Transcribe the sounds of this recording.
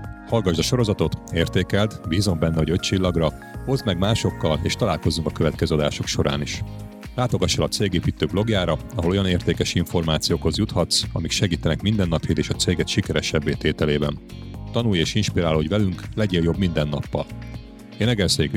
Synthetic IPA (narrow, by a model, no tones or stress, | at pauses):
hɒlɡɒʒd̪ɒʃo̞ɾo̞zɒt̪o̞t̪eːrt̪eːkɛld̪biːzo̞mbɛnːɛho̞ɟøc̚t͡ʃilːɒɡrɒ | ho̞zmɛɡmaːʃo̞kːɒleːʃt̪ɒlaːlko̞zuŋkɒkøvɛt̪̚kɛzøːɒd̪aːʃo̞kʃo̞ɾa̰ːniʃ | laːt̪o̞ɡɒʃːɛlɒt̪seːɡeːpiːt̪øːɡblo̞ɡjaːɾɒɒɦo̞lo̞jɒneːrt̪eːkɛʃiɱfo̞rmaːt̪sijoːkho̞zjut̪hɒt̪sɒ̰mikʃɛɡiːt̪ɛnɛkmind̪ɛnːɒphiːd̪eːʃɒt̪seːɡɛt̪ʃikɛɾɛʃɛbːeːt̪eːt̪ɛleːbɛ̰nt̪ɒnuːjeːʃinʃpiɾaːlo̞ɟvɛlyŋklɛɟeːljo̞bmind̪ɛnːɒ̰pːɒ̰l | enɛɡɛlseːk